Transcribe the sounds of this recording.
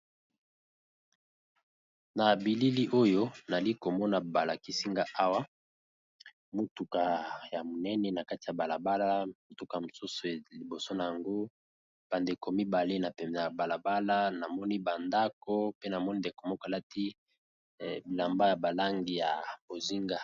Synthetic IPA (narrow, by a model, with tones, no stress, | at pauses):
na˨bi˨li˦li˦ʔo˦jo˦na˨li˦ko˨mɔ˦na˨ba˨la˨ki˦si˦ŋɡa˦ʔa˦wa˦ | mo˨tu˨ka˨ja˨mo˨nɛ˦nɛ˨na˨ka˦ti˨ja˨ba˨la˨ba˦la˦mo˨tu˦ka˨ja˨mo˨su˦so˨li˨bo˨so˦na˨ja˨ŋɡo˦ | b̥a˨nde˨ko˨mi˦ba˨le˦na˨pɛ˨m˨za˨a˨ba˨la˨ba˦la˦na˨mɔ˦ni˦ba˨nda˦ko˦pe˦na˨mɔ˦ni˦nde˨ko˨mɔ˦ka˨la˦ti˦˨ | la˨mba˦ja˨ba˨la˦ŋɡi˨ja˨bo˨zi˦ŋɡa˨